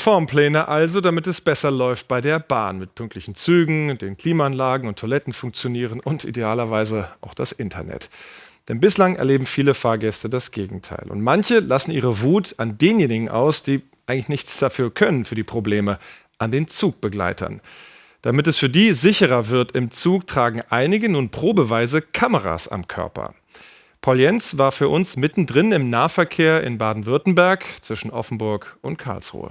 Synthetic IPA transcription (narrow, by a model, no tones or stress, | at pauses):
fɔɐmpl̥ɛːnəʔalzodamɪtɛsb̥ɛsɐlɔʏft̚b̥aɪdeːɐba̰ːnmɪt̚pʰʏŋk̚tʰlɪçn̩t͡syːɡŋ̩deːnkʰl̥iːmaanlaːɡŋ̩ʊntʰːolɛtn̩fʊŋk̚t͡sjoniːʁ̞ənʊntʔḭdeaːlɐvaɪzəʔaʊxd̥asʔɪntʰɐ̰nɛ̰td̥ɛnbɪslaŋʔɛ̰ɐleːbm̩fiːləfaːɐɡɛstədasɡ̥eːɡŋ̩tʰa̰ɪlʔʊ̰ntmançəlasn̩ʔiːʁ̞əvuːtandeːnjeːnɪɡŋ̩ʔa̰ʊsd̥iː | ʔaɪɡŋ̩lɪçnɪçt͡sd̥afyːɐkʰœnənfyːɐdiːpʁ̥obleːmə | ʔandeːnt͡suːk̚b̥əɡla̰ɪtʰɐ̰n | d̥amɪtɛsfyːɐdiːzɪçəʁ̞ɐvɪɐtɪmt͡suːktʁ̥aːɡŋ̩ʔaɪnɪɡənuːnpʁ̥oːbəvaɪzəkʰaməʁ̞a̰sa̰mkʰœ̰ɐpɐ̰ | pʰaʊljɛnsv̥aːɐfyːɐʔʊnsmɪtn̩dʁɪnɪmnaːəfɛɐkʰeːɐʔɪ̰nbaːdn̩vʏɐtn̩bɛɐkt͡sv̥ɪʃn̩ʔɔfn̩bʊɐkʔʊntkʰa̰ɐlsʁ̥ṵːə̰